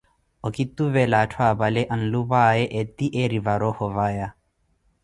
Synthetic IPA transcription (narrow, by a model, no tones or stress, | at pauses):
ɔkit̪ːuvɛlatʰwabalɛʔanluβaɛʔɛt̪ːiʔeɾivaɾɔhɔvaja